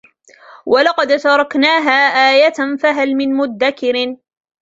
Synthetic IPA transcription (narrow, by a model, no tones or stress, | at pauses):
wʔɑlɑqɑd̪t̪ɑɾˤɑknaːɦaːʔaːjat̪nfaɦalmɪnmʊd̪ːakɪɾ